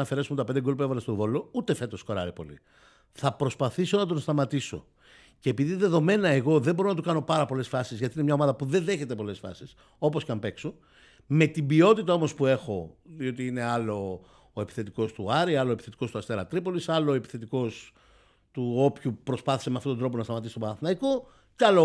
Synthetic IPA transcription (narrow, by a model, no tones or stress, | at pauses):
ɐfe̞ɾesumet̪ɐpend̪eɡolpuevɐlest̪ovo̞lout̪efe̞t̪o̞sko̞ɾɐ̰ɾipo̞lḭ | θɐpɾo̞spɐθiso̞nɐt̪̬o̞nst̪ɐmɐt̪iso̞̰ | ceepiðiðe̞ðo̞me̞nɐeɣo̞ðe̞mbo̞ɾonɐt̪ukɐno̞pɐɾɐpo̞le̞sfɐsizʝɐt̪inemɲɐomɐðɐpuðe̞nðe̞çe̞t̪e̞po̞le̞sfɐ̰sis | o̞po̞scɐmpe̞kso | me̞t̪ibio̞t̪it̪ɐo̞mo̞spue̞xo̞ðio̞t̪iine̞ɐloː | e̞pi̥θe̞t̪iko̞st̪uɐɾiɐloepi̥θet̪i̥ko̞st̪uɐst̪e̞ɾɐ̰t̪ɾipo̞lisɐloːepi̥θe̞t̪iko̞s | t̪uo̞pçupɾo̞spɐθi̥semeɐft̪otod̪ɾo̞ponɐst̪ɐmɐt̪isot̪oɐnɐθinɐiko | ceɐlo